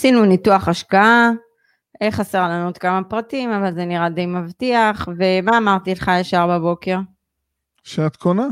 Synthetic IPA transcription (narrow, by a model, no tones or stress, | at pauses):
sinunituaχaʃkaa | ʔeχase̞ʁlanuet̪kamapʁatimavalzeniʁad̪ejmavt̪iaχve̞maːmaʁt̪ileχajaʃaʁbabo̞ke̞ʁ | ʃeat̪kʰona